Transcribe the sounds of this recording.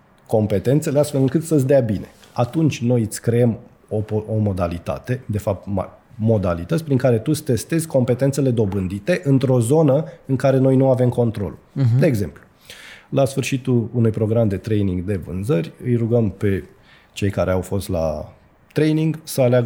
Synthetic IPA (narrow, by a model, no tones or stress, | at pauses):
ko̞mpe̞t̪e̞nt̪se̞least̪fe̞lɨŋkɨt̪səs̬ʲd̪eabine̞̰ | at̪unt͡ʃʲno̞jɨt̪sʲkɾeem | o̞pomo̞d̪alit̪a̰t̪e̞d̪e̞fap̚t̪ma̰mo̞d̪alit̪ətsʲpɾiŋkaɾe̞t̪usʲt̪e̞st̪e̞zʲko̞mpe̞t̪ent̪se̞le̞d̪o̞bɨnd̪it̪e̞ʔɨnt̪ɾo̞zo̞nəɨŋkaɾe̞no̞jnuave̞mko̞nt̪ɾo̞̰ld̪e̞ːɡze̞mplu | lasfɨrʃit̪uunujpɾo̞ɡɾamd̪e̞t̪ɾe̞jniŋɡd̪e̞vɨ̰nzərʲɨjɾuɡəmpe̞ | t͡ʃe̞jkaɾe̞awfo̞st̪la̰ | t̪ɾe̞jniŋɡsəaleaɡ